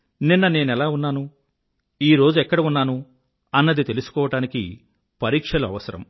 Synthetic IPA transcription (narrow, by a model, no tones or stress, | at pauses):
ninːɐne̞ːnɛlaːunːaːnu | iːɾo̞ːd͡ʒuɛkːɐɽɐunːaːnu | ɐnːɐd̪it̪e̞lusu̥kɔːʋɐʈaːnikḭ | pɐɾiːkʂɐluɐ̰ʋɐsɐɾɐ̰m